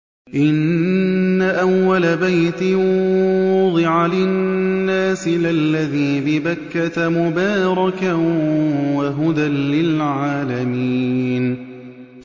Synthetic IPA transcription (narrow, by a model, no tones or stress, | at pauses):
ʔɪnnːaʔawːalabajt̪ɪ | ʊd̪ˤɨʕalɪnnnːaːsɪlalːaðiːbɪbakːat̪mʊbaːɾˤɑka | waɦʊd̪anlɪlʕaːlamiːn